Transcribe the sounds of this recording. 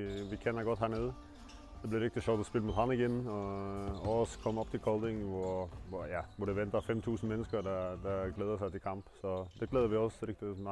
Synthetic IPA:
ʋɪkʰɛnːəɾɡɔt̪ɦæːɳeːd̪ə | d̪̥ɛblɪɾɪk̚t̪ɪʃɑʊt̪ɔspɪlːəmut̪hɑnɪɡɪnɔ | ɔskʰɔmːɔpt̪ʰɪlkʰɔʊld̪ɪŋʋʊɾʋʊɾjɑːʋʊɖɛʋɛnt̪ɑfɛmt̪ʰʉːsn̩mɛnːəskəɾɖ̪ɛd̪ɛɡleːd̪əsæɪɪlkʰɑmpsɔd̪ɛɡleːd̪əɾʋɪɔsɾɪk̚t̪ɪs

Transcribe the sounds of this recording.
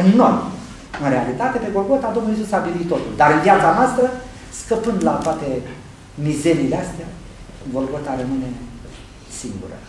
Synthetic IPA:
ɨnːom | ɨnɾealit̪at̪epeɡolɡot̪ad̪omnujes̬usabiɾit̪t̪ːot̪uld̪aɾjad͡zanoast̪ɾə | skəpɨnd̪lat̪oat̪e | mizeɾiːleast̪ea | ɡolɡot̪aɾəmɨne | siŋɡṵɾə̰

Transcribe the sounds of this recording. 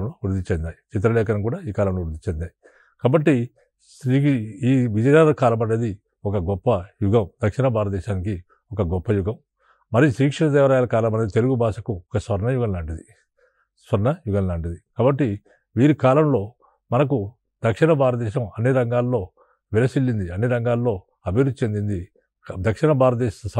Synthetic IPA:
lɐloːuɾd̪it͡ʃɛnd̪aːjit͡ʃit̪̬ɾɐlɛːkɐnɐkuːɽaːiːkaːlɐmloːuɾd̪it͡ʃend̪aːji | kaːbɐʈːi | sɾiiːʋid͡ʒɐjaːɾɐlɐkaːlɐmɐneːd̪i | ɔkɐɡɔpːɐjuɡɐmd̪̥ɐkʂinɐbʱaːɾɐd̪ɛːʃaːnik̬i | ɔkɐɡɔpːɐjuɡɐm | mɐɾisʃɾiːkʂɐnɐt̪ɛːʋɐɾaːjaːlɐkaːlɐmɐneit̪e̞luɡubʱaːʂɐkuɔkɐsʋɐɾnɐjuɡɐnlaːɳʈid̪i | sʋɐɾnɐjuɡɐnlaːɳʈid̪ikaːbɐʈːi | ʋiːɾikaːlɐmlo̞ː | mɐnɐk̬u | d̪̥ɐkʂinɐbʱaːɾɐd̪ɛːʃɐmɐnːiɾɐŋɡaːlːo̞ː | ʋɛlɐsilːind̪iɐnːiɾɐŋɡaːlːo̞ː | ɐbʱiɾud̪ut͡ʃe̞nd̪ind̪i | d̪ɐkʂinɐbaːɾɐd̪ɛːs

